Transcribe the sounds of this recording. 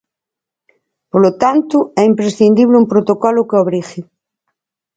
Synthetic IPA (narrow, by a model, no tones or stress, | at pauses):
polot̪ant̪ʊɛimpɾesθind̪iβ̞leumpɾot̪okɔlʊkoβɾixɪ